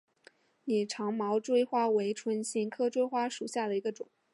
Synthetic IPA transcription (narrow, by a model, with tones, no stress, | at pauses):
ni˨˩ʈ͡ʂʰɑ˧˥ŋmɑ˧˥ʊʈ͡ʂwe˥ɪxwa˥we˧˥ɪʈ͡ʂʰwə˥nɕi˥˩ŋkʰɤ˥˧ʈ͡ʂwe˥˧ɪxwa˥ʂu˨˩ɕja˥˩d̪ə˩i˧˥ɡə˧ʈ͡ʂʊ˨˩˦ŋ